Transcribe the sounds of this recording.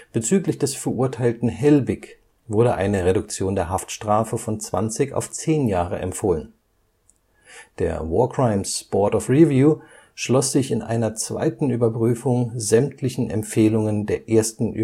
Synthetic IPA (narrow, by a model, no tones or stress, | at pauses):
b̥ət͡syːklɪçd̥ɛsfɛɐʔʊɐtʰaɪltn̩ɦɛlbɪk | vʊɐɾəʔa̰ɪnəʁedʊk̚t͡sjoːndeːɐɦaftʃtʁ̥aːfəfɔnt͡sv̥a̰nt͡sɪça̰ʊft͡seːnjaːʁ̞ə̰ʔɛ̰mfoːlən | d̥ḛːɐvɔːɐkʁ̥aɪmsb̥ɔɐtɔfʁivjuː | ʃlɔsz̥ɪçɪnʔa̰ɪnɐt͡sv̥a̰ɪtn̩yːbɐpʁ̥yːfʊŋzɛmtʰlɪçn̩ʔɛ̰mfeːlʊŋəndeːɐʔeːɐstn̩ʔy̰